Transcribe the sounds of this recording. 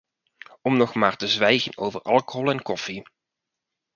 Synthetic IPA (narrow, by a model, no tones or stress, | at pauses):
ɔmnɔχmaːɹtəzʋɛjɣəno̰wvəɹʔɑlˠkoɦɔlˠɛnkɔfi